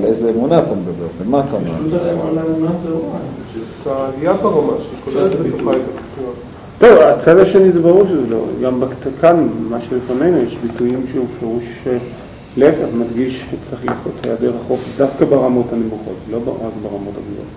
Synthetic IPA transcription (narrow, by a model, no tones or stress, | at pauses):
lejzeːmunaat̪amed̪abeʁvemaːt̪amd̪emalaunazoat̪aːliabaʁamaʃekolelet̪bet̪oajtapi̥t̪ua | t̪ovat͡sad̪aʃenizebaʁuʁʃzelo̰ɡambektkanmaʃelifanejnujeʃbitujimʃeufeʁuʃ | leefeχmadɡiʃʃet͡sʁiχla̰ːso̞thajadeʁaχo̞fefdafkabeʁamo̞thanimuχo̞t̪lo̞beʁakbeʁamo̞taɡdo̰o̰